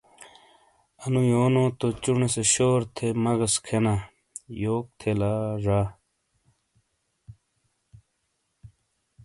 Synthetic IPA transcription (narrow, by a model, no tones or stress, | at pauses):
ɐnũjoːnõːt̪ot͡ɕuɳeseɕoːɾt̪ʰemɐɣɐskʰena | joːk̚t̪ʰelaːɾaː